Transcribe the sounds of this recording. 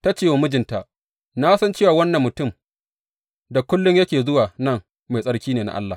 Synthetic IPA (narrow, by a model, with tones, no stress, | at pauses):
ta˦t͡ʃeː˦˨wa˨mʊ˦d͡ʒɪ˨nta˨ʔ | naː˦sɐ˦nt͡ʃeː˦waː˨wɐ˦nːɐ˨mːʊ˨tʊ˦˨m | da˨kʷʊ˦lːʊ˦ɲjɐ˦kʲeː˨zʊ˦waː˨nɐ˦˨ŋ | ma˨sʼɐ˦ɽkʲiː˦neː˨na̰˨ʔa˦lːa˨